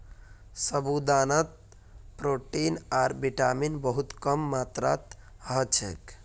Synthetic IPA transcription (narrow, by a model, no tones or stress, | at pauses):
səbud̪anət̪̚ | pɾoʈinaɾbiʈaminbəɦut̪kəmːat̪ɾa̰t̪ | ɦət͡ʃʰḛk